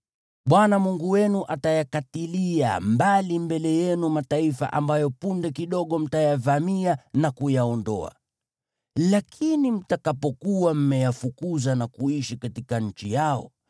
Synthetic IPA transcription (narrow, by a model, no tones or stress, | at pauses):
ɓwanamuŋɡuwɛnuʔatajakatilia̰mbalimbɛlɛjɛnumataifa̰ʔa̰mbajɔpundɛkiɗɔɠɔm̩tajavamianakujaɔndɔ̰a̰ | lakʰinim̩takapɔkuwam̩mɛjafukuzanakuiʃikatikaɲ̩t͡ʃijaɔ̰